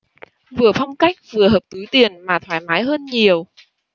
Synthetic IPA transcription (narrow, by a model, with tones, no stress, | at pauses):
vɨ˨˩əfɔ˧wŋ͡mka˦˥jk̟̚vɨ˨˩əɦəː˨˩p̚t̪ɨ˨˦jt̪i˨˩ənmaː˨˩t̪ʰwaː˧˩jmaː˨˦jɦəː˧nɲi˨˩əw